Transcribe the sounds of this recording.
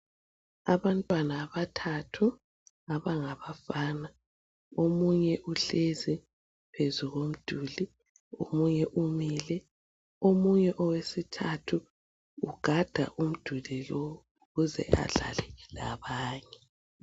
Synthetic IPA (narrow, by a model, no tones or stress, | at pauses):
aβantʼwanaːβatʰatʰu | aβaŋaβafaːna | omuɲɛʔuɬezi | pʰezuɣom̩d̥ʱuli | o̰muɲɛʔumilɛ | omuɲɛʔɔwesitʰatʰuː | ɡ̥ʱad̥ʱa̰ʔum̩d̥ʱulilɔ | uɣuzɛ̰ʔa̰ɮa̰lɛlaβaːɲɛ